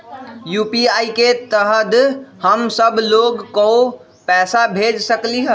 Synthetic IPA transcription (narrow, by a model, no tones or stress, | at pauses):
jupiaiket̪əɦəd̪həmsəbʱloɡko | pɛsabʱed͡ʒsəkliɦə